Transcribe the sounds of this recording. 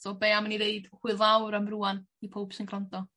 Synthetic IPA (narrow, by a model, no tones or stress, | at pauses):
sɔbeamanineɨd̥χwɨðˠawɾəmruːan | ipʰowb̥sɪnɡrandɔ